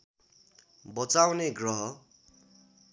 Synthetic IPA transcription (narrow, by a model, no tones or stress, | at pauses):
bʌt͡sawneɡrʌɦʌ